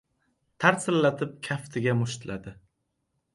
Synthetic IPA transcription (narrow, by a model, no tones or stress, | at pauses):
t̪ʰaɾsɪllat̪ʰɪp̚kʲʰaft̪ʰɪɡʲamʊʃt̪lʔad̪ɪ